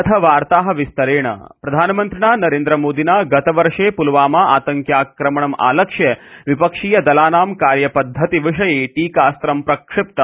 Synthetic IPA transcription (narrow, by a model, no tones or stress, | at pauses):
t̪ʰɐʋaːɾt̪aːɦɐ̆ʋɪst̪ɐɾeːɳɐ̰pɾɐd̪ʱaːnɐmɐnt̪ɾiɳaːnɐɾeːnd̪ɾɐmoːd̪inaːɡɐt̪ɐʋɐɾʂeːpulʋaːmaːaːt̪ɐŋkjaːkɾɐmɐɳɐma̰ːlɐkʂjɐʋipɐkʂiːjɐd̪ɐlaːnaːmkaːɾjɐpɐd̪ʱːɐt̪iʋiʂɐjeːʈiːkaːst̪ɾɐmpɾɐkʂɪp̚t̪ɐ